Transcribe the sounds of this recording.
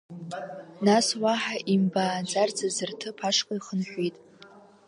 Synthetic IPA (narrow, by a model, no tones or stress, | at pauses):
naswaħaʔimbaːd͡zard͡zazɨrtʰɨpʰaʂqʼaiχənħʷitʼ